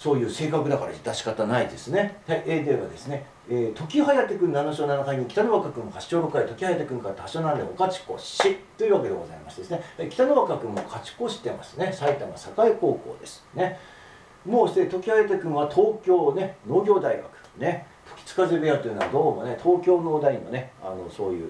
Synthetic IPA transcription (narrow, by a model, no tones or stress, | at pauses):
so̞ːjɯ̟ːse̞ːkakɯ̟d̪akaɾa̰d̪aɕi̥kat̪anaid̪e̞sɨne̞haiʔeːd̪eβa̰d̪e̞sɨne̞ | eːt̪o̞kʲiɦajat̪ːekɯ̟̃nanoɕo̞ːnanakaɲ̟ikʲi̥t̪anoβakakɯ̟̃ŋkaɕi̥t͡ɕo̞ːɾokːait̪okʲihajat̪ːekɯ̟̃ŋkaɾɯt̪aaɕoːnãnd̪eokat͡ɕi̥ko̞̰ɕit̪o̞iɯ̟ːβake̞d̪e̞ɡo̞za̰ima̰sɨ̥d̪esɨne̞haikʲi̥t̪anoβakakɯ̟̃mːokʰat͡ɕi̥ko̞ɕi̥t̪e̞ma̰sɨne̞sait̪amasakaiko̞ːko̞̰ːd̪e̞sɨ̥ne̞ | moːɕt̪et̪o̞kʲihajat̪ekɯ̟̃ɰ̃βat̪ʰo̞ːkʲo̞ːne̞no̞ːɡʲo̞ːd̪aiɡa̰kɯ̥ne̞ | t̪ʰo̥kʲi̥t͡sɨ̥kazebejat̪oiɯ̟noβa̰d̪o̞ːmo̞ne̞t̪ʰo̞ːkʲo̞ːno̞ːd̪aimo̰nea̰no̞so̞ːjɯ̟̰ː